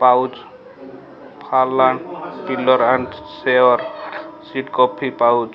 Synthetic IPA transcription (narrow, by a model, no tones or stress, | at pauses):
pawd͡ʒ | pʰalːaɳʈilɔɾaɳɖseɔɾsiʈkɔpʰːipawd͡ʒ